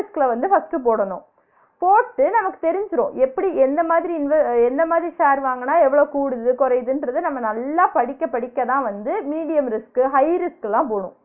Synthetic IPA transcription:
ɪsklɐʋɐnd̪ɯfɐsʈɯpoːɽɐnõ̰ː | poːʈːɯnɐmɐkːɯ̥t̪ɛɾɪɲd͡ʒɯɾõ̰ːʔɛpːɐɽiɛnd̪ɐmaːðɪɾiɪnʋɐɛnd̪ɐmaːðɪɾisaːɾʋaːŋɡɐnːaːɛʋːɐɭoːkuːɽɯðɯkɔɾɐjðɯndrɐðɯnɐmːɐnɐlːaːpɐɽɪkːɐpɐɽɪkːɐðãːʋɐnd̪ɯmiːɽɪjɐmɾɪskɯɦɐɪɾɪskɛlãːp̬oːɽʊ̰̃ː

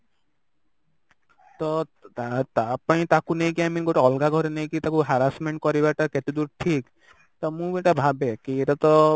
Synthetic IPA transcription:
t̪ɔat̪apaĩt̪akunejkiaminɡoʈaɔlɡaɡʱɔɾenejkit̪akuɦaɾasmeɳʈ̚kɔɾibaʈakɛt̪ud̪uɾʈʰik | t̪ɔmũbeʈabʱabekieʈat̪ɔ

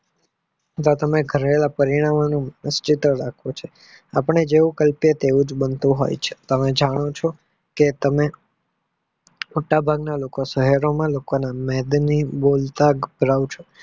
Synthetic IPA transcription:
ət̪at̪əmeɡʱəɾelapəɾiɽ̃amanũmnəst͡ʃɪt̪ɾəɾakʰõt͡ʃʰe | apəɳed͡ʒeʋũkəlpjet̪eʋũd͡ʒbənt̪ũɦo̰jt͡ʃʰe̥t̪əmed͡ʒaɽ̃ot͡ʃʰɔ | ket̪əme | moʈabʱaɡnalokosəɦəɾomãlokonamɛd̪nibolt̪aɡbʱɾaʋt͡ʃʰo

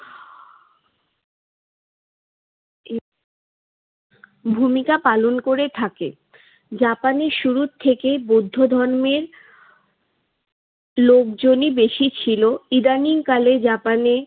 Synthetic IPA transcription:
bʱumikapalonkoɾet̪ʰake | d͡ʑapaneɾʃuɾut̪ʰːekebod̪ʱːod̪ʱɔɾmeɾ | lokd͡ʑonibeʃit͡ɕʰiloid̪aniŋkaled͡ʑapane

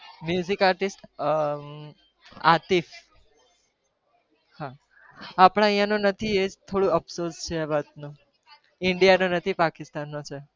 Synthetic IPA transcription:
mjuzikaɾʈisʈ | a̰t̪if | ha | apɽ̃ãjãnõnət̪ʰiet̪ʰoɽũəpsoɾst͡ʃʰeaʋat̪̚nũ | ɪɳɖijanõnət̪ʰipakist̪anːõt͡ʃʰe

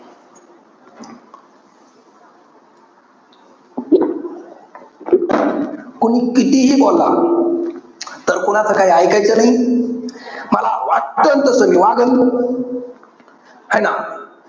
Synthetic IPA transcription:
kunikitihikolːa̰ | təɾkunatakajaikait͡ʃəni | malawatəntəsəmiwaɡən | hana

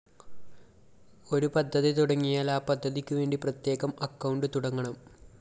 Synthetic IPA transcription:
o̞ɾupɐd̪ʱːɐðit̪uɽɐŋːijaːlaːpɐd̪ʱːɐðikʲːuʋe̞ːɳɖiprɐt̪je̞ːɣɐmɐkːɐwɳɖɨt̪uɽɐŋːɐɳɐm

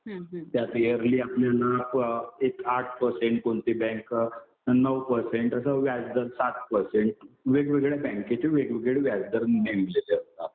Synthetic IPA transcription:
t̪jat̪jəɾliːapljanapekaʈ̚ʰpəɾseɳʈ̚kont̪ibɛ̃ŋk | nəwpəɾseɳʈəsəʋjad͡zd̪əɾsat̪pəɾseɳʈʋeɡʋeɡɭebɛ̃ŋket͡ɕeʋeɡʋeɡɭeʋjad͡zd̪əɾnemblet̪eəst̪at̪

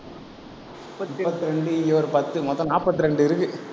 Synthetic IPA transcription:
mʊpːɐt̪ːɯɾɛɳɖɯɪjoːɾɯpɐt̪ːɯmɔðːɐ̃naːpːɐt̪ːɯɾɛɳɖɯɪɾɯkːɯ

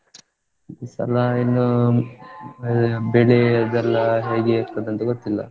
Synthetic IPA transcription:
isɐ̰lɐinːu | bɛɭeɐd̪ɛlːɐɦeːɡeːkt̪ɐd̪ɐnt̪uɡot̪ːilːɐ̰

